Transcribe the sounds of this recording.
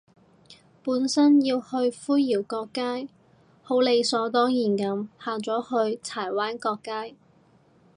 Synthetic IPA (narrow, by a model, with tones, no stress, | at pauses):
puː˨˥nsɐ˥njiː˧whɵ˧ɥfuː˥jjiː˨˩wkɔː˧kːaː˥j | ho˨˥wle˨˧jsɔː˨˥t̪ɔː˥ŋjiː˨˩nkɐ˨˧mhaː˨˧t͡sɔː˨˥hɵ˧ɥt͡sʰaː˨˩jwaː˨˥nkɔː˧kːaː˥j